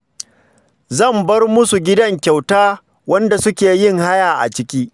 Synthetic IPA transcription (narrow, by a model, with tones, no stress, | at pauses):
zɐ˦˨mbɐ˦rmʊ˦su˨ɡʲɪ˦dɐ˦ŋkʲa˨wtaː˦ | wɐ˦nda˨sʊ˦kʲeː˨jɪ˦ŋha˦jaː˨ʔa̰˨t͡ʃɪ˦kʲiː˦